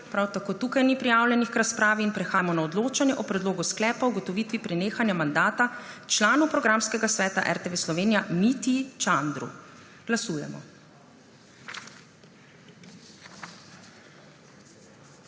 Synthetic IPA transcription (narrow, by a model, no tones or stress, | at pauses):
pɾawt̪akoːt̪ukajnipɾijaːwljɛnixkɾaspɾaːʋiːnpɾɛxaːjmɔnaɔd̪loːt͡ʃanjɛʔɔpɾɛd̪loːɡusklɛːpauɡɔt̪ɔʋiːt̪ʋipɾɛneːxanjamand̪aːt̪at͡ʃlaːnupɾɔɡɾamskɛɡasʋɛːt̪aʔɛ̰ɾt̪eʋeslɔʋeːnijamit̪it͡ʃand̪ɾṵ | ɡ̥lasuːjɛ̰mɔ̰